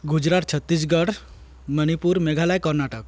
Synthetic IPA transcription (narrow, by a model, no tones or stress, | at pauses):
ɡud͡ʒɾat̪̚t͡ʃʰət̪ːis̬ɡəɽ | mənipuɾmeɡʱalajkəɾnaʈək